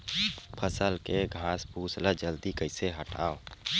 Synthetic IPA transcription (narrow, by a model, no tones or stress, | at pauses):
pʰəsəlkeɡʱãːsbuːsləd͡ʒəld̪ikəɪseɦəʈʰa̰ːo